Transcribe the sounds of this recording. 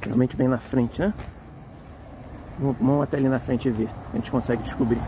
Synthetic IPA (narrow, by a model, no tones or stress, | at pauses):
ea̰wmẽnt͡ʃɪbẽj̃nɐfɾẽnt͡ʃɪɛ̃ | mɐ̃mɐ̃w̃ɐt̪ɛalinɐfɾẽnt͡ʃɪvesɐʒẽt͡ʃɪ̥kõsɛɡɪd͡ʒɪʃkubɾi